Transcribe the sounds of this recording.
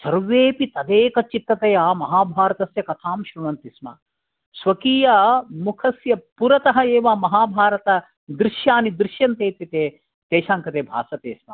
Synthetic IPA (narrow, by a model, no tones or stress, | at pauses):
t͡ʃɐɾʋeːpit̪ɐd̪eːkɐt͡ʃit̪ːɐt̪ɐjaːmɐɦaːbʱaːɾɐt̪ɐsjɐkɐt̪ʰaːmʃɾuɳɐnt̪ismɐ̰ | sʋɐkiːjɐmukʰɐsjɐpuɾɐt̪ɐɦɐeːʋamɐɦaːbʱaːɾɐt̪ɐ | d̪ɾɪʃjaːnid̪ɾɪʃjɐnt̪eːt̪jɐt̪eː | t̪eːʃaːŋkɐt̪eːbʱa̰ːsɐt̪eːsmɐ̰